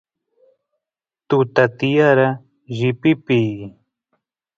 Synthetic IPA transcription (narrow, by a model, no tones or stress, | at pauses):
t̪ut̪at̪ijaɾa | ʒɪpipiː